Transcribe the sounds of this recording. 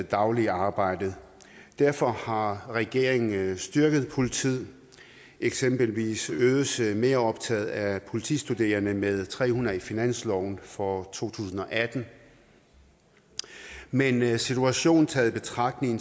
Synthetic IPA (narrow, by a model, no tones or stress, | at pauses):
d̥ɑ̈ʊliɑ̈ːb̥ɑ̈ɪ̰d̥ð̩ˠ | d̥æɐfɒ̽hɑ̈ʁɛɡ̥e̝ɐeŋn̩sd̥ɶɐɡ̥əð̞̩ˠpʰo̝lit͡sʰið̰ˠ | eɡ̥semb̥əlʋḭːsøːðˠsme̝ːɐɒ̽b̥t͡sʰɛð̞̩ˠæpʰo̝lit͡sʰḭːsd̥ud̥e̝̰ːɐnəmeð̞ˠt͡sʰʁɛ̰ːhunɐifinæn̰slɒʊnfɒt͡sʰo̝̰ːt͡sʰṵːsn̩ɒ̽ʔæd̥n̩ | mensit͡sʰuæɕo̝̰ːn̩t͡sʰɛːð̩ˠb̥e̝t͡sʰʁɑ̈ɡ̥̚d̥ne̝ŋn̩